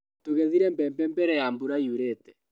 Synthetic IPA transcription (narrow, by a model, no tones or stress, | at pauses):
toɣɛðiɾɛmbɛmbɛmbɛɾɛjambuɾaiuɾeːtɛ̥